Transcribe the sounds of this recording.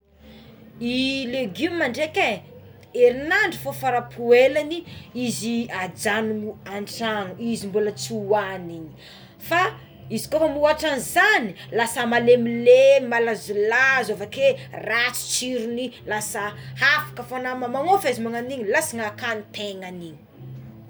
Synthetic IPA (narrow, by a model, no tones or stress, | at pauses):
ileɡimaɳɖ͡ʐekʲe | eɾinaɳɖ͡ʐifofaɾapʰuelaniiziad͡zanuŋuaɳʈ͡ʂanuizimbulət͡suwaniɲi̥ | fa | izi̥kofəmuaʈ͡ʂanizanilasəmalemilemalazulazovakerat͡si̥t͡ʃiɾunilasahafḁkəfanamamaŋofezimaŋaniɲilasiŋakanit̪eŋaniɲi̥